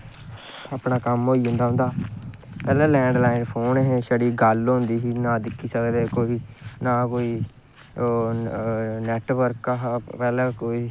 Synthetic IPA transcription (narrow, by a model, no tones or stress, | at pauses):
aːpɳaːkəmɦoːiːɦʊ̃nd̪aːɦʊ̃nd̪aː | pɛːlɛ̃ːlɛ̃ːɳɖlaːɪnpʰoːnɦẽːʃəɽiːɡəlɦʊ̃nd̪iːɦiːnaːd̪ɪkʰːiːsəkd̪eːkoːiiːnaːkoːiː | nɛːʈʋəɾkːaɦpɛːlɛ̃ːkoːiː